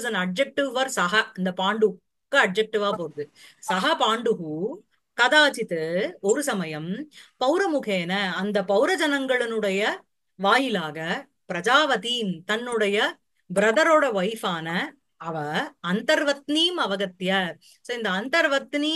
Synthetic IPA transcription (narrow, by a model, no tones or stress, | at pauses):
sɐnɐɖ̚d͡ʒɐk̚ʈɪʋʋɐɾsɐɦɐɐnd̪ɐpaːɳɖɯk | kːɯɐɖ̚d͡ʒɐk̚ʈɪʋaːpoːɾðɯsɐɦɐpaːɳɖɯɣɯ | kɐðaːt͡ʃɪt̪ɯɔɾɯsɐmɐjɐmpɐʊɾɐmʊɣeːnɐːnd̪ɐpɐʊɾɐd͡ʒɐnɐŋɡɐɭɪnɯɽɐjɐ | ʋaːjɪlaːɣɐ | pɪɾɐd͡ʒaːʋɐt̪iːnt̪ɐnːɯɽɐjɐ | bɪɾɐðɐɾoːɽɐʋɐjfaːnɐ | ɐʋɐɐnt̪ɐɾʋɐt̪niːmɐʋɐɣɐt̪ːjɐ | soːɪnd̪ɐːnt̪ɐɾʋɐt̪ni